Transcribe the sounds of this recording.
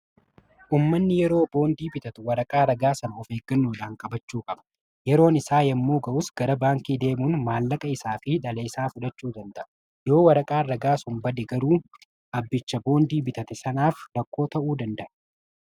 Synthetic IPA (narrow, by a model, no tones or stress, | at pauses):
ʔuːmːɐnːɪjɛɾo̞ːbo̞ːnd̪iːbɪt̪ɐt̪ʊwɐɾɐkʼaːɾɐɡaːsɐnɐɔfeːɡɐnːuːᶑaːŋkʼɐbɐt͡ʃːuːkʼɐbɐ̥ | jɛɾo̞ːnɪsaːjɐmːoːɡɐʔʊsɡ̥ɐɾɐbaːŋkiːd̪e̞ːmuːnmaːlːɐkʼɐɪsaːfɪᶑɐleːsaːfʊᶑɐt͡ʃːuːd̪ɐnd̪ɐʔɐ | jo̞ːwɐɾɐkʼaːɾɐɡaːsʊnbɐd̪ɛɡɐɾuː | ʔɐbːɪt͡ʃːɐbo̞ːnd̪iːbɪt̪ɐt̪ɪsɐnaːfɾɐkːo̞ːt̪ɐʔuːd̪ɐnd̪ɐʔɐ̥